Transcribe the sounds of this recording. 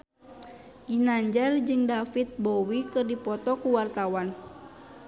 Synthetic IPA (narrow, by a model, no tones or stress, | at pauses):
ɡinaɲd͡ʒard͡ʒɨŋdafit̪̚bowikɨrdipɔt̪ɔkuwart̪awan